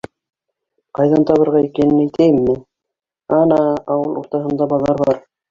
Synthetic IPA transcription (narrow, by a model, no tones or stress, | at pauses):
qɑjðɑnt̪ɑβɤ̆ɾʁɑikænɘnæ̆jt̪æjɘmːɘ | ɑnɑɑwɤlˠuɾt̪ɑɦɤ̆nd̪ɑbɑlˠːɑɾβɑɾ